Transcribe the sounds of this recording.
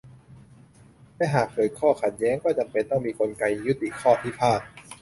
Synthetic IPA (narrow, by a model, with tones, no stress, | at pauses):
lɛː˦˥ɦaː˨˩k̚pʰɤː˨˩˦jkʰɔː˥˩kʰa˨˩t̪̚jɛː˦˥ŋkɔː˥˩t͡ɕa˧mpe˧nt̪ɔ˥˩ŋmiː˧kʰo˧nka˧jːu˦˥t̪ːi˨˩kʰɔː˥˩t̪ʰiː˥˩pʰaː˥˩t̪̚